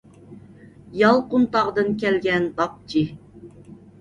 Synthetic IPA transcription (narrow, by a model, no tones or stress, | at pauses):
jɑlˠqunt̪ɑʁd̪ɨnkʲɛlɡʲɛnd̪ɑp̚d͡ʒi